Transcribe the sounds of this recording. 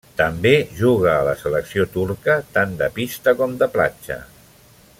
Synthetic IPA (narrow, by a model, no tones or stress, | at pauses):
t̪əmbeʒuɣ̞əːləsələksiot̪uɾkət̪and̪əpist̪əkɔmd̪əpla̰t͡ʃə̰